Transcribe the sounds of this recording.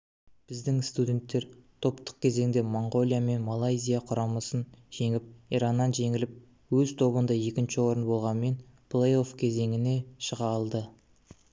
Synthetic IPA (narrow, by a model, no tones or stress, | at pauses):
b̥ɪzd̪ɪŋst̪ud̪ʲe̞nt̪ːe̞ɾt̪ʰo̞pt̪ə̥q̚kʲʰe̞ze̞ŋd̪e̞moɴʁo̞lʲˠijame̞nmalˠajzʲijaqʰʊɾɑməsənʒ̥e̞ŋɪp̚iɾɑnːɑnʒe̞ŋɪlɪp̚ | wɵzt̪ʰo̞βənd̪ɑje̞kʲɪnʃɪwo̞ɾənbo̞lˠʁɑnme̞n | pʰlˠejo̞fkʲʰe̞ze̞ŋɪne̞ʃəʁɑlˠd̪ə